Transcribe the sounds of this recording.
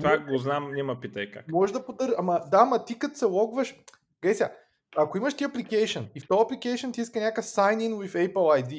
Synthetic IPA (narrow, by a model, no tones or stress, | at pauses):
t̪vaɡoznamnɛmɐpit̪ɐjka̰kmɔʒd̪ɐpod̪əɾʒamɐd̪aːmɐt̪ikət̪sɛlˠɔɡvəʃ | ɡɛsʲa̰ | ɐkoimɐʃt̪iɐplikɛjʃonift̪ɔɐplikɛjʃont̪iiskənʲakəfsajniŋwifɛjpəlˠajd̪i